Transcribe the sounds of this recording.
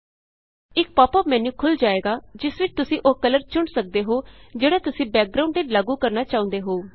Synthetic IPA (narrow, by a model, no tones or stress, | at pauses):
ɪk̚paːpəːmɛːnũːkʰʊld͡ʒaːeːɡaːd͡ʒɪsʋɪt͡ʃt̪ʊsĩːʔoːkələɾt͡ʃʊɳsək̚d̪eːɦoːd͡ʒeːɽaːt̪ʊsĩːbɛːk̚ɡɾaːʊ̃ɳɖɪlaːɡũːkəɾnaːt͡ʃaːʊ̃nd̪eːɦoː